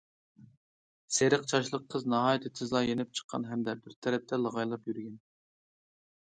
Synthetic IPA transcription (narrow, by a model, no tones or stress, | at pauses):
seɾɨqt͡ʃʰɑʃlˠəqʰːəznɑɦɑːjt̪ʰɨt̪ʰɪzlˠɑjenɪp̚t͡ʃʰə̥qʰːɑ̰nɦɛmd̪ɛbɪɾt̪ʰɛɾɛp̚t̪ʰɛlˠɑʁɑjlˠɑpjyɾɡʲɛn